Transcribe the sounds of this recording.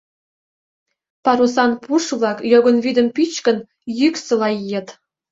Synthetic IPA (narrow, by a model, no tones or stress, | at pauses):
pɑɾusɑnpuʃβlˠɑkjoɡɤ̆nβid̪ə̆mpit͡ɕkə̆n | jyksɤ̆lɑjijet̪